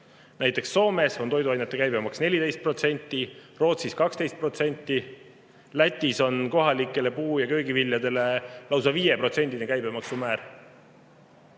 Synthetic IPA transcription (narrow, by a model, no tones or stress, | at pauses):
næjt̪ːˑe̞ksːo̞ːme̞so̞nt̪o̞jd̪uɑjnet̪ːe̞kæjbemɑksne̞lʲid̪e̞jst̪̚pro̞t̪se̞nʲt̪ːˑiro̞ːt̪siskɑkst̪e̞jst̪̚pro̞t̪se̞nʲt̪ːˑi | læt̪ʲːˑiso̞nko̞ɦɑlikːˑe̞le̞puːjɑkø̞jɡivilʲjɑd̪e̞le̞lɑws̬ɑviːje̞pro̞t̪se̞nʲd̪inekæjbe̞mɑksumæːɾ